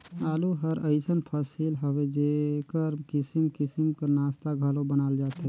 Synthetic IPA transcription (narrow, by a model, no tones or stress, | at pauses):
aːluɦəɾəɪsənpʰəsilɦəwed͡ʒekəɾkisimkisimkənast̪aɡʱəlobənaːld͡ʒaːt̪ɦɛ